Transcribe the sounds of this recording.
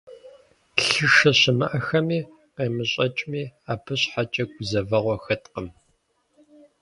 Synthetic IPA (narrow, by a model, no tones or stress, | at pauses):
ɬɨʂɐɕɪmɨ̰ʔɐxɐmiː | qeːmɨɕʼɐt͡ʃʼmiːaːpʰɨɕħat͡ʃʼɐɡʷʊzɐvɐʁʷɔxɐtʼqəm